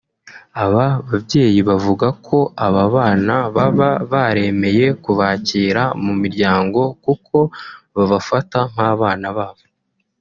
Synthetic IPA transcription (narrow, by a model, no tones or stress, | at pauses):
aβaβabɟe̞ːjiβavuɡakʰo̞aβaβaːnaβaβaβaɾe̞me̞je̞kuβaːciːɾamumiɾɟaːŋɡo̞kukʰo̞βaβafataŋ̥haːβaːnaβaːβo̞